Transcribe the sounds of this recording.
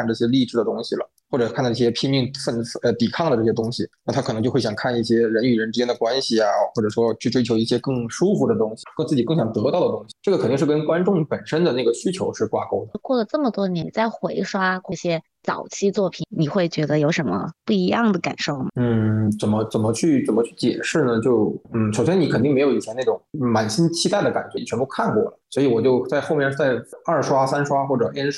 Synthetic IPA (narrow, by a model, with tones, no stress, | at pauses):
nʈ͡ʂɤ˥˩ɕjɛ˥li˥˧ʈ͡ʂɻ̩˥˩d̪ə˩t̪ʊ˥ŋɕi˨˩lə˩xwɔ˥˩ʈ͡ʂɤ˨˩kʰn˥˩i˥˩jɛ˥pʰi˥ŋi˥˩ŋfə˥˩n˥˩ə˧˩t̪i˨˩kʰɑ˥˩ŋd̪ə˩ʈ͡ʂɤ˥˩ɕjɛ˥t̪ʊ˥ŋɕi˨na˥˩t̪ʰɤ˨˩n˧˥ŋt͡ɕjo˥˧˥ɕjŋkʰa˥˧ni˥˩ɕjɛ˥ɻə˧˥ny˨˩ɻə˧˥nʈ͡ʂɻ̩˥t͡ɕjɛ˥nd̪ə˨kwa˥nɕi˨˩a˩xwɔ˥˩ʈ͡ʂɤ˨˩ʂwɔ˥t͡ɕʰy˥˩ʈ͡ʂwe˥ɪt͡ɕʰjo˧˥ʊi˥˩ɕjɛ˥kɤ˥˩ŋʂu˥fu˧˥d̪ə˨t̪ʊ˥ŋɕi˨˩kɤ˥˧t͡sɹ̩˥˩t͡ɕi˨˩kɤ˥˩ŋɕjɑ˨˩ŋt̪ɤ˧˥t̪ɑ˥˩ʊd̪ə˩t̪ʊ˥ŋɕi˨˩ʈ͡ʂɤ˥˩ɡəkʰt̪i˥˧ŋʂɻ̩˥˩kə˥nkwa˥nʈ͡ʂʊ˥˩ŋpə˨˩nʂə˥nd̪ə˨na˥˩ɡə˩ɕy˥t͡ɕʰjo˧˥ʊʂɻ̩˥˧kwa̰˥˧˩ko˥ʊd̪ə˨kwɔ˥˩lə˩ʈ͡ʂɤ˥˩mə˩t̪wɔ˥njɛ˧˥nt͡sa˥˩ɪxwe˧˥ɪʂwa˥xwɔ˥˩ɕjɛ˥ | t͡sɑ̰˨˩ʊt͡ɕʰi˥t͡swɔ˥˩pʰi˨˩nni˨˩xwe˥˩ɪt͡ɕɥɛ˧˥d̪ə˧jo˧˥ʊʂə˧˥mə̰˧pu˥˩i˧˥jɑ˥˩ŋd̪ə˩ka̰˨˩nʂo˥˩ʊmɐ˩n̩˥˩t͡sə˨˩nmə˦t͡sə˨˩mə˦t͡ɕʰy˥˩t͡sə˨˩nmə˦t͡ɕʰy˥˩t͡ɕjɛ̰˨˩ʂɻ̩˥˩nə˨t͡ɕjo˥˩ʊn̩˥˩ʂo˨˩ʊɕjɛ˥ni˧˥kʰə˨˩t̪i˥˩m˧˥ɪjo˧˩i˨˩ɕjɛ˥na˥˩ʊ˨˩ŋ˩ma˨˩nɕi˥nt͡ɕʰi˥t̪a˥˩ɪd̪ə˩ka˨˩nt͡ɕɥɛ˥i˨˩ɥɛ˧˥pu˥kʰa˥˧nkwɔ̰˥˩lə˩swɔ˧˥i˧˥wɔ˨˩t͡ɕjo˥˧ʊt͡sa˥˧ɪxo˥˧ʊmjɛ˥˧n˥t͡sa˥˩ɪɐ˞˥˩ʂwa˥sa˥nʂwa˥xwɔ˥˩ʈ͡ʂɤ˨˩ʔɛ˥n˥